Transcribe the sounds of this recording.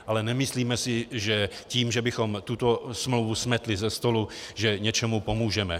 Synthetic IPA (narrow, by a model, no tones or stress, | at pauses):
ʔalɛnɛmɪsliːmɛsɪʒɛciːmʒɛbɪxo̞mt̪ut̪o̞smlowvusmɛt̪lɪzɛst̪o̞luʒɛɲɛt͡ʃɛmupo̞muːʒɛmɛ